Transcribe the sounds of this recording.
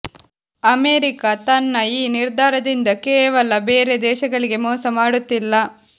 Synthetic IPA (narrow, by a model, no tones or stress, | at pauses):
ɐmeːɾikɐt̪ɐnːɐiːniɾd̪ʱaːɾɐd̪ind̪ɐkɛːʋɐlɐbeːɾed̪ɛːʃɐɡɐɭiɡe̞mɔːsɐmaːɽut̪ːilːɐ